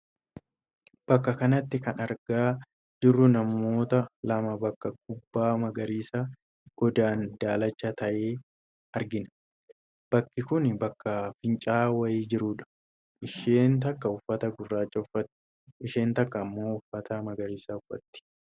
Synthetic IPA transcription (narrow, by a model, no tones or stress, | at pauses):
b̥ɐkːɐkɐnɐt̪ːɪkɐnɐɾɡaː | d̪̥ʊrːʊnɐmːo̞ːt̪ɐlɐmɐbɐkːɐɡ̚ʊbːaːmɐɡɐɾiːsa | ɡ̥ɔd̪aːnd̪aːlɐt͡ʃːɐt̪ɐʔeː | ɐɾɡɪnɐ | b̥ɐkːɪkʊnbɐkːɐfɪnt͡ʃʼaːwɐjiːd͡ʒɪɾuːᶑɐ̥ | ɪʃeːnt̪ɐkːɐʊfːɐt̪ɐɡʊrːaːt͡ʃːɐʊfːɐt̪ː | ɪʃe̞ːnt̪ɐkːɐːmːo̞ːʊfːɐt̪ɐmɐɡɐɾiːsaːʊfːɐ̰t̪ːɪ̥